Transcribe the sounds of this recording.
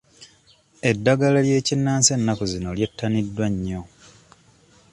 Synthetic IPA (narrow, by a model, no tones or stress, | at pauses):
e̞dːaɡalalje̞ːcinːaːnse̞nːakuzinolje̞tːanidːwaɲːo̞